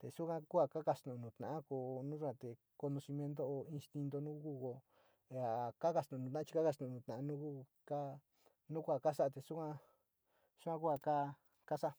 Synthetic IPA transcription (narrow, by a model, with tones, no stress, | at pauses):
t̪e˨su˦kã˦ku˦a˧ka˦ka˧st̪ũ˨˧nũ˨t̪nã̰˨ʔã˦ko˧˨nũ˦ʐu˦kã˧t̪e˨ | ko˧nõ˧si˧mjẽ˧nd̪̬o˦o˧ĩ˧nst̪i˧nd̪o˧nũ˦ku˦ko˧ | e˧a˨ka˦ka˧t̪ũ˨˧ũ˧t̪nã˦t͡ʃi˧ka˦ka˧t̪ũ˨˧nũ˧t̪nã˨˧nũ˦ku˦ | ka˦ | nũ˦kʷa˧˨ka˦ʂa˦a˧t̪e˨su˦kã˦ | su˦kʷã˦ku˦a˧ka˦ | ka˦sa˦a˧